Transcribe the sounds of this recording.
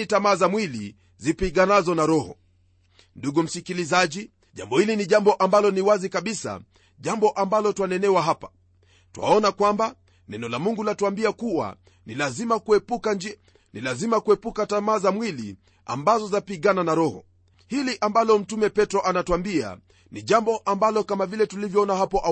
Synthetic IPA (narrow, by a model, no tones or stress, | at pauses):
itamaːzamwili | zipiɡanazɔnaɾɔhɔ̰ | nduɡum̩sikilizaʄi | ʄambɔhiliniʄambɔʔambalɔniwazikaɓisa̰ | ʄambɔʔambalɔtwanɛnɛwaɦapḁ | tuwa̰ɔnakwamba | nɛnɔlamuŋɡulatuambiakuwa̰ | nilazimakuɛpukad͡ʒ | nilazimakuɛpukatamaːzamwilḭ | a̰mbazɔzapiɠananaɾɔhɔ̰ | hiliʔambalɔm̩tumɛpɛtɾɔʔanatuambia̰ | niʄambɔʔambalɔkamavilɛtulivjɔɔnaɦapɔʔa